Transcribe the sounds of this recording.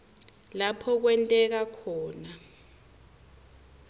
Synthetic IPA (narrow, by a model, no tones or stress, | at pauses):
lapʰɔk̬wɛntʼɛk̬akʰɔːna